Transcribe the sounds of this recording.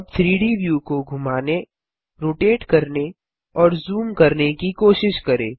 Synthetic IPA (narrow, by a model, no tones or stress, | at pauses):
ɐb̚t̪ʰɾiːɽibjuːkoɡʱʊmaːne | ɾoːʈeːʈkɐɾne | ɔːɾzuːmkɐɾnekikoːʃɪʃkɐɾḛ̃ː